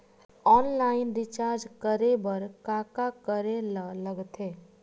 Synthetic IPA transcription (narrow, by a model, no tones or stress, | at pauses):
ɔːnlaːɪnɾɪt͡ʃaːɾd͡ʒkəɾebəɾkaːkakəɾelləɡt̪ʰeː